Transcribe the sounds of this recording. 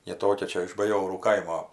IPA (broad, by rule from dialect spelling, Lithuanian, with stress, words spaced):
jɪ ˈtoːkʲɛ ˈt͡ʃʲɛ ɪʃ bɐˈjoːruː ˈkɐɪmoː